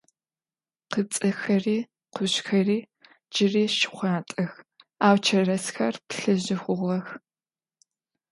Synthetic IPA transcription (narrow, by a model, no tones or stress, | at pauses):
qət͡sʼɐxɐriː | qʰʷʊɕxɐriː | d͡ʒɪriːʃɪ̥χʷɑːtʼɐxaːwt͡ʃʰɐrɐsxɐrpɬɨʑɪχʷʊʁɐx